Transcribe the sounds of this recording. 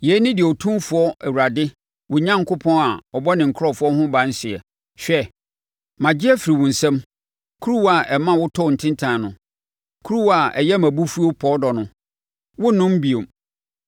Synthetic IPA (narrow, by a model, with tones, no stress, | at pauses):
je˨˦nɪ̃˦dɪ˨ɔ˨tʰũ˦mfʊ˨ɔ˦ɛ˨wu˨ɾa˨dɪ˦ | wʊ˨ɲã˦ŋ˦kʰʊ˦pʰɔ̃˦na˨ɔ˨bɔ˦nɪ̃˨ŋ̩˨kʰɔ˦˨fʊ˦ɔ˦ɦʊ̃˦bã˨˦n̩˦sɪ˨ɛ˨ | ɕᶣɛ˦ | mã˨d͡ʑɪ˦ɛ˦fi˨ɾi˨wʊ̃˨n̩˨sɛ̃˦m | kʰu˦ɾu˦wa˨ʔɛ˨mã˦wʊ˦tʰɔ˦˨n̩˨tʰɪ̃˦ntʰã˨nʊ̃˨ | kʰu˦ɾu˦wa˨ʔɛ̰˨jɛ˦mã˨bu˦fu˦o˦pʰɔ˦dɔ˨nʊ̃˨ | wʊ˦nʊ̃˦m˦bi˨o˨m